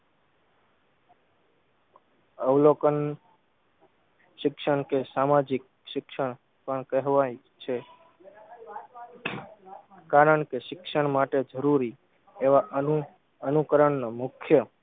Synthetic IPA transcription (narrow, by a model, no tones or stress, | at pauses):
əʋlokən | ʃɪkʃəɳkesamad͡ʒɪk̚ | ʃɪkʃəɳ̃ | pəɳkəɦʋaj | t͡ʃʰe | kaɾəɳkeʃɪkʃəɳmaʈed͡ʒəɾuɾi | eʋa | ənukəɾəɳnamʊkʰjə